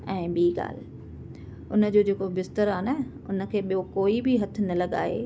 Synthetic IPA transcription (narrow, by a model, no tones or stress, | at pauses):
ɛ̃ːɓiːɡa̰ːl̤ | ʊnə̆d͡ʑoːd͡ʑeːkobɪst̪əɾaːnɐ | ʊnə̆kʰeːɓijokoːibɪɦɐt̪ʰɪ̆nɐlɐɠa̰ːɦḛː